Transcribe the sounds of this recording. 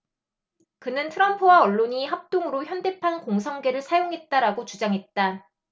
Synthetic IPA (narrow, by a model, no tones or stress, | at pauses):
kɯnɯntʰɯɾʌmpʰɯwaʌɭːoɲiɦap̚t͈oŋɯɾoçjʌnde̞pʰankoŋsʰʌŋɡe̞ɾɯɭsʰajoŋɦe̞t̚t͈aɾaɡot͡ɕud͡ʑaŋɦe̞t̚t͈a